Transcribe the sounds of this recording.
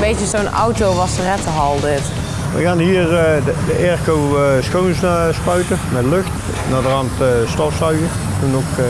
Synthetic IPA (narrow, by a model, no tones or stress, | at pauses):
bejt͡ʃəsowna̰wtowʋɑsərɛtəɦɑlˠdɪt | ʋə̰ɣaːnɦiːərədəʔɛrkowsxownsspœɥtəmɛtløxt | nadərɑntstɔfsœɥɣə | tunok